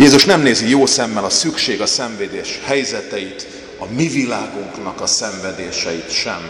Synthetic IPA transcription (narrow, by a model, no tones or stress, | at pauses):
jeːzuʃnɛmneːzijoːsɛmːɛlɒsykʃeːɡɒsɛɱveːd̪eːʃhɛjzɛt̪ɛjit̪ | ɒmivilaːɡoŋknɒkɒsɛɱvɛd̪eːʃɛjit̪ʃɛ̰m